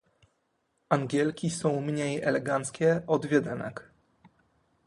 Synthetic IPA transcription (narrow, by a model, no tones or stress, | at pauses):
aŋɡʲɛlkʲisɔ̃w̃mɲejɛlɛɡant̪skʲɛɔd̪vʲɛd̪ɛnɛ̰k